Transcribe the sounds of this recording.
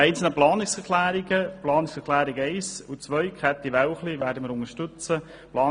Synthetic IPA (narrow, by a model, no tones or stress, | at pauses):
ɛɪnt͡sl̩nəplɑːnɪksɛkʰlæːɾɪɡəplɑːnɪksɛklæːɾɪɡɛɪsut͡sʋœʏkʰɛt̪ːiʋæwχliʋæːɾdəməɾʊŋəʃtʏt͡sə | plɑː